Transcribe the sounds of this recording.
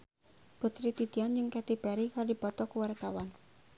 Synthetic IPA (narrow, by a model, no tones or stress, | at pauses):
put̪ɾit̪it̪iand͡ʒɨŋkɛt̪ipɛɾikalodipɔt̪ɔkuwart̪awan